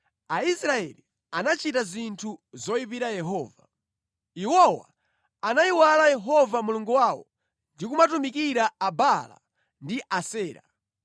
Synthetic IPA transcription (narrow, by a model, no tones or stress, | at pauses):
aisɾaɛli | anat͡ʃitazintʰuzɔipiɾajɛɦɔːva | iwɔwa̰ | anaiwalajɛɦɔvamuluŋɡuwawɔ̰ | ndik̬umatumikiɾaabala̰ | ndiʔasɛːɾa̰